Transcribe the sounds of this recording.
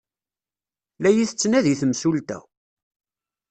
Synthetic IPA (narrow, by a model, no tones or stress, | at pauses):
læjiθət͡sːnæðiθəmsult̪æ̰